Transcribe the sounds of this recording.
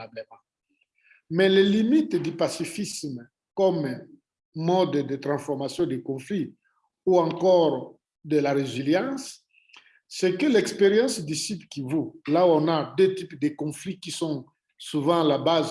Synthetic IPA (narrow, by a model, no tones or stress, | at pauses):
abləmɑ̃ | mɛlelimit̪d̪ypasifism | kɔm | mɔd̪d̪ət̪ʁɑ̃sfɔʁmasjɔ̃d̪əkɔ̃fli | uɑ̃kɔʁ | d̪əlaʁeziljɑ̃sː | ɛkəlɛkspeʁjɑ̃sd̪isipkivolaɔ̃nad̪øt̪ipd̪əkɔ̃flikisɔ̃ | suvɑ̃labaz